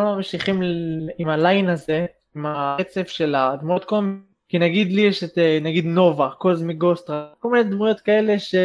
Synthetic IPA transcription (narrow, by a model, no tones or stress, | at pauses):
mamʃiχimimalajinaze̞ | imaet͡se̞fʃe̞lad̪mujot̪kom | kinaɡid̪lijeʃet̪enaɡid̪no̞vakozmiɡost̪ʁakolmined̪mujo̞t̪kae̞le̞ʃe